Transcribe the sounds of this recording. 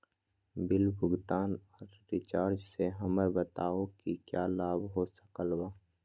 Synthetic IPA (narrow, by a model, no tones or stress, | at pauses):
bɪlbʱʊɡt̪aːnɔːɾːɪt͡ʃaːɾd͡ʒseɦɐməɾbət̪aːõkikjaːlaːbɦoːsə̥kəlwaː